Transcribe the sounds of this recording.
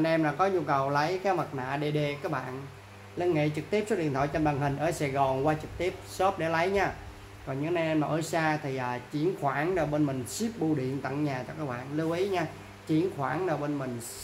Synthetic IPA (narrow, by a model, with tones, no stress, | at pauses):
nʔɛ˧mlaː˨˩kɔ˨˦ɲu˧kə˨˩wlə˨˦jkaː˨˦mə˨˩t̚na̰ː˧˨ɗe˧˩ɗe˨˩kaː˦˥k̚ɓa̰ː˧˨n | li˧nŋḛ˧˨t͡ɕɨ˨˩k̚t̪i˦˥əp̚so˦˥ɗḭ˧˨ənt̪ʰɔ̰ː˧˨jt͡ɕɔ˧mɗa˨˩ŋɦï˨˩ŋ̟ʔəː˧˩saː˨˩jɣɔ˨˩nkwaː˧t͡ɕɨ˨˩k̚t̪i˦˥əp̚so˦˥p̚ɗe˧˩lə˨˦jɲaː˧ | kɔ˨˩nɲɨ˨˦na˧nʔɛ˧maː˨˩ʔəː˧˩saː˧t̪ʰi˨˩ʔəː˨˩t͡ɕi˧˩ənxwaː˧˩nɗa˨˩jɓe˧nmï˨˩ŋ̟si˦˥p̚ɓu˧ɗḭ˧˨ənt̪ə̰˧˨ŋɲaː˨˩t͡ɕɔ˧kaː˦˥k̚ɓa̰ː˧˨nlɨ˧wʔi˨˦ɲaː˧ | t͡ɕi˧˩˦ənxwaː˧˩nɗəː˨˩ɓe˧nmï˨˩ŋ̟